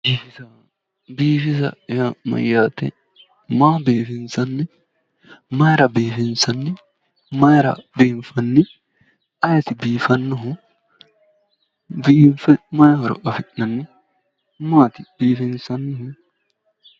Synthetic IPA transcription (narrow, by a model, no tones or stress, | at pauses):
biːfisɐ | biːfɪsɐ̰jamɐ̰jːaːt̪ɛ̰ | maːbiːfɪnsɐnːɪ | mɐjɾɐbiːfɪnsɐnːɪ | mɐjɾɐ̰biːnfɐnːɪ | ɐjɐt̪ɪbiːfɐnːʊɦʊ̃ | biːnfɛmɐjhɔɾɔ̰ʔɐfɪʔnɐnːɪ | maːt̪ɪb̥iːfɪnsɐnːʊɦʊ